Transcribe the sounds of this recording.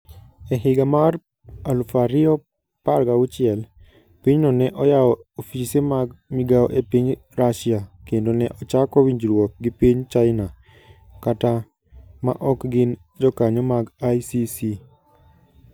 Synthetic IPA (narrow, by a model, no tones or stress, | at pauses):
ɛɦɪɡamar | alufaɾɪɔ | parɡawʊt͡ʃɪɛl | piɲnɔnɛʔɔjaɔofisemaɡmiɡaɔʔepiɲɾaʃiakendonɛʔɔt͡ʃakɔwiɲd͡ʒɾwɔk̚ɡɪpiɲt͡ʃaɪna | kata | ma̰ʔɔkɡɪn | d͡ʒɔkaɲɔmaɡajsisi